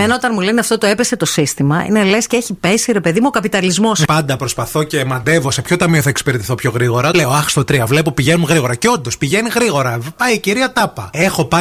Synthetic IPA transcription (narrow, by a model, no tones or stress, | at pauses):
enɐo̞t̪ɐnmule̞niɐft̪o̞t̪oe̞pese̞t̪o̞sist̪imɐḭne̞le̞sceeçipesiɾepe̞ðimuo̞kɐpit̪ɐlizmo̞spɐnd̪ɐpɾo̞spɐθo̞ce̞mɐnd̪e̞vo̞se̞pço̞t̪ɐmio̞θɐekse̥peɾet̪iθo̞pço̞ɣɾiɣo̞ɾɐleoɐxi̥st̪ot̪ɾiɐvle̞popiʝe̞nunɣɾiɣo̞ɾɐceo̞nd̪o̞spiʝe̞niɣɾiɣo̞ɾɐpɐiːciɾiɐt̪ɐpɐe̞xo̞pɐ